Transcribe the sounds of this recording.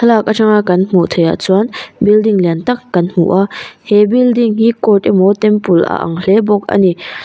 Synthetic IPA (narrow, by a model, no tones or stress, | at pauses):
tʰəlak̚ʔaʈ͡ʂaŋakɐnm̥uʔt̪ʰəja̰t͡suanbildiŋlɛnt̪ɐkːɐnm̥ṵʔahɛbildiŋhikɔt̚imɔt̪ɛmpulʔɐ̰ʔɐ̰ŋlɛbɔk̚ɐ̰ni